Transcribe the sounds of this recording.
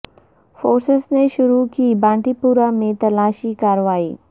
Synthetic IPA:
foːɾsəsneʃʊɾukiːbãːɳʈipuɾamẽt̪ɐlaːʃikaːɾʋaːiː

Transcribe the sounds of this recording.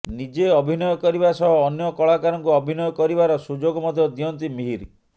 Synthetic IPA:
nid͡ʒeɔbʱinɔjɔkɔɾibasɔɦɔːnjɔkɔɭakaɾɔŋkuɔbʱinɔjɔkɔɾibaɾɔsud͡ʒoɡɔmɔd̪ʱjɔd̪iɔnt̪imiɦiɾ

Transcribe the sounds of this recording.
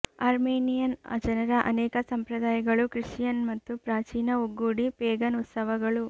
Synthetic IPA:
aːɾmeːnijɐnɐ̰d͡ʒɐnɐɾɐʔɐ̰nɛːkɐsɐmpɾɐd̪aːjɐɡɐɭukɾiʂijɐnmɐt̪ːupɾaːt͡ʃiːnɐuɡːuːɽipeːɡɐnut̪sɐʋɐɡɐɭu

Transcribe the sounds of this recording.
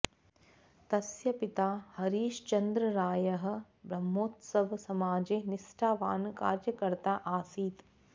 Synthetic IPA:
t̪ɐsjɐpit̪aːhɐɾiːʃt͡ʃɐnd̪ɾɐɾaːjɐɦɐ̆ | bɾɐmːoːt̪sɐʋsɐmaːd͡ʒeːnisʈʰaːʋa̰ːnkaːɾjɐkɐɾt̪aːʔaːsiːt̪

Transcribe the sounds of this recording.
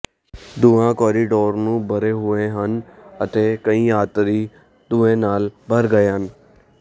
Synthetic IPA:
d̪ʊãːkɔːɾiɖoːɾnũːbʱəɾeːɦʊeɦənət̪eːkəĩːaːt̪ɾiː | d̪ʊẽːnaːlbʱəɾɡəeɦən

